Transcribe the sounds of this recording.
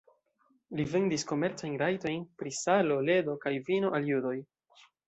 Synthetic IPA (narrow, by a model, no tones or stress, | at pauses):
live̞ndisko̞me̞ɾt͡sajnɾajto̞jnpɾisalo̞le̞do̞kajvino̞ʔaljudo̞j